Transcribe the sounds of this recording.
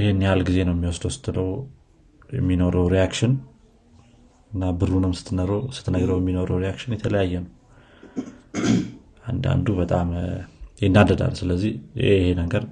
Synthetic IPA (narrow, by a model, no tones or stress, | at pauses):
ʔɪhenːjalɡize̞nəwjɛmːiwɔsd̪wɔst̪ɨd̪əw | jɛ̰mːino̞ɾəwɾijakʃɪn | ɨnːabɨɾunɨmsɨ̥t̪ʰːɨnəɾosɨ̥t̪ʰːnəɡɾəwjɛmːino̞ɾəwɾeakʃɪnjɛt̪ʰələjajːɛnəw | ʔand̪a̰nd̪ubət̪ʼamjɪnːad̪əd̪a̰lsɨləzːiehenəɡəɾ